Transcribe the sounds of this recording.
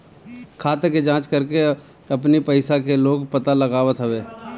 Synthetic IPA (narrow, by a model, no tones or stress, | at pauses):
kʰaːt̪eked͡ʒãːt͡ʃkɐɾke | ɐpnipəɪsakeloːɡpɐt̪alɐɡaːʋət̪ɦəʋeː